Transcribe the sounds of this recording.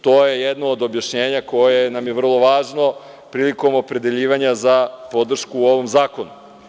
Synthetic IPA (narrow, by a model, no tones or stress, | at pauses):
t̪oːjejed̪noːd̪o̞bjaʃɲeːɲako̞jenamjeʋr̩lˠo̞ʋaːʒno̞ | pɾiːliko̞mo̞pɾe̞d̪e̞ʎiːʋaɲazapo̞d̪r̩ʃkuo̞ʋo̞mzaːko̞nu